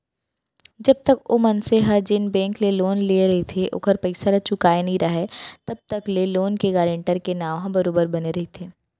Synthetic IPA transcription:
d͡ʒɐb̚t̪ɐkoːmɐnseɦad͡ʒɪnbɛ̃ːŋkleloːnlieɾɐɦet̪ʰeʔʊ̰kəɾpɐɪsalat͡ʃʊkaːenɐɦĩɾɐɦet̪ɐb̚t̪ɐkleloːnkeɡaːɾẽɳʈəɾkenaːʋɦãbɐɾoːbəɾbɐneɾɐɦet̪ʰeː

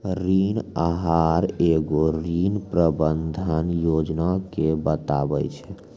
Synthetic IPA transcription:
ɾinaɦaɾeɡoɾinpɾəbənd̪ʱənjod͡ʒnakebət̪abə̰jt͡ʃʰɛ

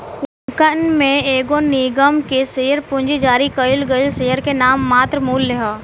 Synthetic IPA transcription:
kʊ | kənmẽeːɡoniːɡəmkesejəɾpʊ̃nd͡ʒid͡ʒaːɾikəɪlɡəɪlsejəɾkenaːmːaːt̪ɾmuːlːeɦoː

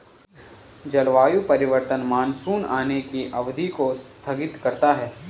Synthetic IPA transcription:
d͡ʒɐlʋaːjupɐɾɪʋəɾt̪ənmaːnsuːnaːnekiʔɐʋd̪ʱikost̪ʰɐɡɪt̪kɐɾt̪aɦɛː

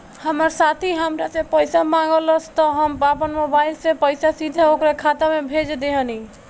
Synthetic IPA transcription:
həməɾsat̪ʰiɦəmɾasẽpəjsamãŋɡələst̪əɦəmapənmobailsẽpəjsasid̪ʱəokɾakʰat̪amebʱed͡ʒd̪eɦəni

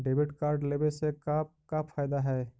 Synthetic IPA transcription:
ɖebiʈkaɾɖlebesekakapʰːajd̪aɦɛː

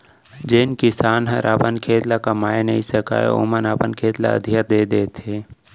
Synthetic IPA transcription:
d͡ʒenkɪsaːnɦəɾʔaːpənkʰeːt̪lakamaːnəɦĩsəka̰ːḛo̰mənəpənkʰeːt̪la̰ə̰d̪ʱijət̪̚d̪eːd̪eːt̪ʰeː

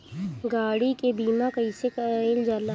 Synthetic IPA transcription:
ɡaːɽikebiːmakɐĩsekːld͡ʒaːla

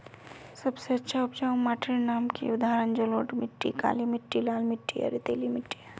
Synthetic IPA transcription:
sɐbseɐtːʃʰaʊpt͡ʃaũmaːʈʰiɾnaːmkḭʊd̪aɦɾənd͡ʒəloːʈmɪʈːḭka̰ːlimɪʈːilaːlmɪʈːija̰ɾit̪eːlimɪʈːi

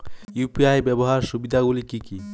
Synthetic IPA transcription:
jupiajbɛboɦaɾʃubid̪ʱaɡulikiki

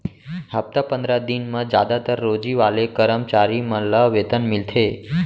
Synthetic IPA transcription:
ɦəp̚t̪apənd̪ɾad̪inmãd͡ʒa̰d̪at̪əɾːod͡ʒiʋalekəɾəmt͡ʃaɾimələʋet̪ənmilt̪ʰe

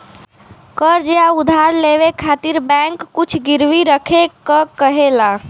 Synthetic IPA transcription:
kəɾd͡ʒeaud̪ʱaɾleβekʰat̪iɾbɛ̃ŋkːut͡ʃʰɡiɾwiɾəkʰekəkəɦela

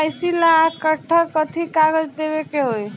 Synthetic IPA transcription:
jsilakəʈʰːəkət̪ʰikaɡəd͡ʒd̪ebekeɦoj

